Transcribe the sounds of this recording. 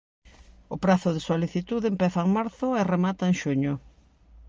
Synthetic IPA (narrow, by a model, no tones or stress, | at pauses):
ʊpɾaθʊðesoliθit̪uðempɛθaeŋmaɾθʊeremat̪aeŋʃuɲʊ